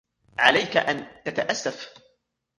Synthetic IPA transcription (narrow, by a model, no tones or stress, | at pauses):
ʕalajkaʔant̪at̪aʔasːaf